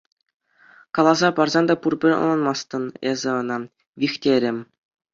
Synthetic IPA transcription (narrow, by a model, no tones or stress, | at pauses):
kɑlˠɑzɑpɑrzɑnd̪ɑpurbʲɘ̆ɾʲɤ̰̆nɤ̆nmɑst̪ɤ̆nezʲɘ̆ɤ̆nɑ | ʋʲixtʲeɾʲɘ̆mʲ